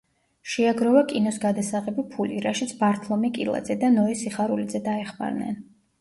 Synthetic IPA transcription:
ʃɛaɡɾɔvakʼinɔsɡad̪asaʁɛbipʰuliɾaʃit̪sʰbaɾt̪ʰlˠɔmikʼilˠa̰d̪zɛd̪anɔisiχaɾulid̪zɛd̪aɛχma̰ɾnɛ̰n

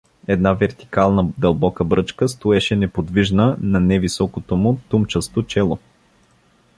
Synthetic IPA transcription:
ɛd̪navɛɾt̪i̥kalˠnəd̪ɐlˠbɔkəbɾɤt͡ʃkəst̪oɛʃɛnɛpod̪viʒnənɐnɛvisɔkot̪omʊt̪umt͡ʃəst̪ot͡ʃɛlˠo

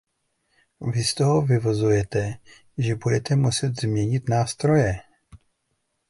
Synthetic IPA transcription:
vɪst̪o̞ɦovɪvozujɛt̪ɛ | ʒɛbudɛt̪ɛmusɛt̪zmɲɛɲɪt̪naːst̪ɾo̞jɛ

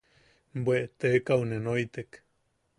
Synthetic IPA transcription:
mbweʔt̪ekaunenojt̪ek

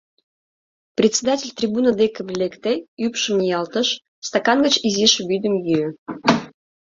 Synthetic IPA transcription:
prʲetʲsʲed̪atʲelʲt̪rʲibunəd̪ekəmlʲekt̪eypʃə̆mijɑlt̪əʃ | st̪ɑkɑnɡət͡ɕiziʃəβʲyd̪ə̆mjyø

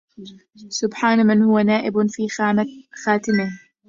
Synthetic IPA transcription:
sʊbħaːnmɪnhʊwanaːʔɪbfiːxaːt̪ɪmɪh

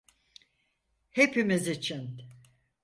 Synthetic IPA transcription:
he̞pimizit͡ʃʰin

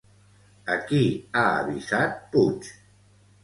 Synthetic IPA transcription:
əkiaə̰βizat̪̚put͡ʃ

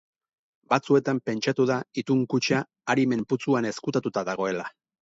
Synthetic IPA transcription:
bat͡sue̞t̪ampe̞nt͡ʃat̪uðait̪uŋkut͡ʃaː | ɾime̞mput͡suane̞skut̪at̪ut̪aðaɣ̞o̞e̞la

